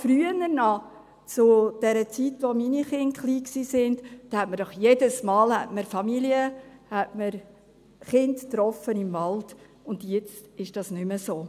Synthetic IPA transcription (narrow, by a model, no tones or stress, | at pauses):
fɾyənəɾnɑ | t͡sʊd̥ɛɾət͡sitʋominiχɪnχliːksiːsɪndd̥ɑhɛtməɾd̥ɔχjedəsmɑːlhɛ̰tməɾfɑmiliəhɛtməɾ | χɪndtɾɔfənɪmvɑld̥ | ʊnd̥jɛt͡stɪʃd̥ɑsnʏməsoː